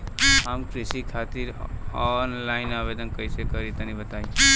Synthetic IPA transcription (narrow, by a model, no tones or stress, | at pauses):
ɦəmkɾisikʰat̪iɾɔnlaɪnabed̪ənkəjsekəɾit̪ənibət̪aj